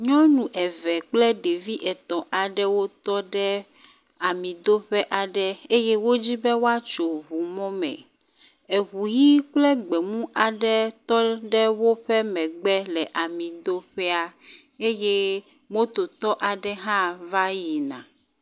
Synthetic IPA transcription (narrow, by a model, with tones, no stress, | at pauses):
ɲɔ̃˦nũ˨ʔɛ˨vɛ˨k͡plɛ˦ɖe˨vi˦ʔɛ˨t̪ɔ̃˨ʔa˨ɖɛ˦wo˦t̪ɔ˦ɖɛ˦ | a˨mĩ˨d̪o˦ɸɛ˦ʔa˨ɖɛ˦e˦je˦wo˦d͡ʑi˦bɛ˦wo˦a˦t͡ʃo˨βu˨mɔ̃˦mɛ̰̃˨ | e˨ɦu˨ji˦k͡plɛ˦ɡ͡bɛ˨mũ˦ʔa˨ɖɛ˦t̪ɔ˦ɖɛ˦wo˦ɸɛ˦mɛ̃˨ɡ͡bɛ˦lɛ˨ʔa˨mĩ˨d̪o˦ɸɛ˦a˨ | e˦je˦ | mo˦t̪o˨t̪ɔ˦ʔa˨ɖɛ˦ɦã˦va˦ji˨nã̰˨